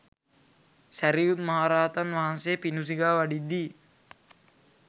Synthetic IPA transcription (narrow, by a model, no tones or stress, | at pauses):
sæɾijut̪maɦaɾaːt̪anʋaɦansejpinus̬iɡaːʋaɖid̪ːi